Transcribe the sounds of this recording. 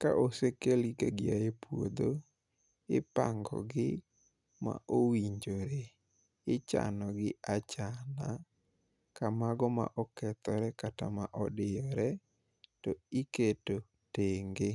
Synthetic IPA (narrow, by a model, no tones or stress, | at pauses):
ka̰ʔosekelikaɡɪajepwo̰d̪o | ɪpa̰ŋɡɔ̰ɡɪ | ma̰ʔowiɲd͡ʒoɾe | ɪt͡ʃa̰nɔɡɪat͡ʃana | kamaɡɔma̰ʔɔkɛt̪ɔɾɛkata̰maʔɔdɪjɔɾɛ | tɔiketo | teŋɡe